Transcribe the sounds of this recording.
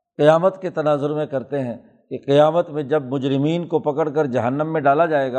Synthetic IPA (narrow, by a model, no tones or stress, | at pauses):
qɪjaːmət̪ket̪ɐnaːzʊɾmẽkɐɾt̪eɦɛ̃ | keqɪjaːmət̪mẽd͡ʒɐbmʊd͡ʒɾɪmiːnkopɐkəɽkɐɾd͡ʒɐɦənːəmːẽɖaːlad͡ʒaːeːɡaː